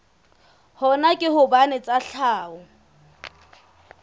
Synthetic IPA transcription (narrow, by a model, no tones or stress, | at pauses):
hɔnakʼɪhʊbanɛt͡sʼaɬʰaːʊ